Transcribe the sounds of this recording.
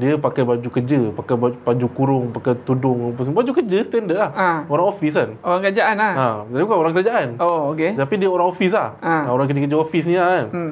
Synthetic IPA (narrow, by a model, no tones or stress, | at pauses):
diəpakajbad͡ʒukəd͡ʒəpakajbabad͡ʒukuɾʊŋpakajt̪udʊŋpas̬bad͡ʒukəd͡ʒəsə̥t̪ɛndəʔlahaoɾaŋofis̬anoɾaŋkəɾad͡ʒaʔanahad͡ʒadibukaoɾaŋkəɾad͡ʒaʔanooket̪apidiəoɾaŋofis̬la̰haaoɾaŋkəd͡ʒəkəd͡ʒəofisnian